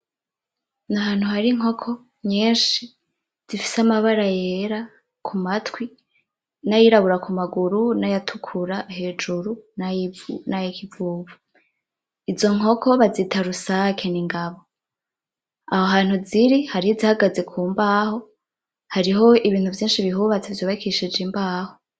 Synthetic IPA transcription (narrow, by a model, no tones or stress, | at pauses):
naɦaːn̥huhaɾiŋ̥o̞kʰo̞ | ɲiːnʃi | z̥ifi̥samaβaɾajeɾa | kʰumatʰwi | najiɾaβuɾakumaɡuɾunajatʰukʰuɾahe̞ːd͡ʒuɾunanajikʰivuːvu | izo̞ŋo̞kʰo̞βazitʰaɾusakʰeniŋɡaβo̞ | ahoɦaːn̥huziɾihaɾihizihaɡaze̞kʰuːmbaːho̞ | haɾiɦo̞iβiːn̥uvjiːnʃiβiɦuβat͡se̞vjoβakʰiʃid͡ʒimbaːho̞